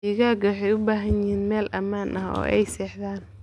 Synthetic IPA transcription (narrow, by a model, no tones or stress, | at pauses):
iɣaːɡɐwħɛjʊbaːɦɐnjɪhiːnmɛːlʔɐmaːnʔɐɦɔ̰ːʔɛjsɛːħðaːn